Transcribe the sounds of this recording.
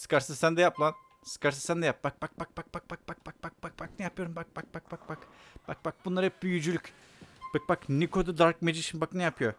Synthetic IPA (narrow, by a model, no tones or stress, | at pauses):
sɨ̥kaɾsɯzsænd̪ɛjaplˠan | sɨ̥kʰaɾs̬ɯzsænd̪ɛjap̚bak̚bak̚bak̚bak̚bak̚ak̚bak̚bak̚bak̚bak̚baknɛjapʰɯjo̞ɾumbak̚bak̚bak̚bak̚bakb̥ak̚bak̚bunlˠaɾɯhɛp̚byjyd͡ʒylʲycʲ | b̥ɯk̚baknikʰod̪ad̪aɾk̚med͡ʒɯiʃʰimbaknɛjapʰɯjo